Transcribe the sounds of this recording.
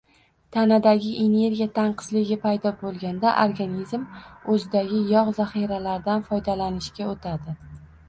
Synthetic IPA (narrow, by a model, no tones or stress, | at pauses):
t̪ʰanad̪aɡʲɪʔe̞ne̞ɾɡʲijat̪ʰaɴqʰɨ̥zlɪɡʲɪpʰajd̪ɒbolˠɡʲand̪aʔoɾɡanizmɵzɪd̪aɡʲɪjɒʁzaχiɾalaɾd̪anfɒjd̪alanɪʃkʲaot̪ʰad̪ɪ